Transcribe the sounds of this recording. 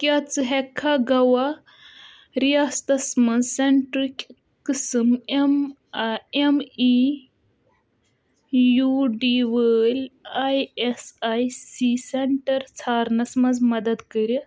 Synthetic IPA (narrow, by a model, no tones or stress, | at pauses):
kʲaːt͡sɨɦekʰːaɡɐwa | ɾijaːst̪ɐsmɐnzseɳʈɾikʲ | kɨsɨmem | emi | juɖiwɐəlʲajesajsiseɳʈɐɾt͡sʰaːɾnɐsmɐnzmɐd̪ɐd̪kɐɾi